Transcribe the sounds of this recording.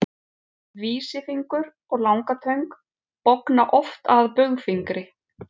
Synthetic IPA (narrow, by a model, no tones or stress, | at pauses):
viːsɪfiŋkʏɾ | ɔɣlawŋkat̪ʰœɥŋk | pɔwknaʔɔft̪aðpœɣfiŋkɾɪ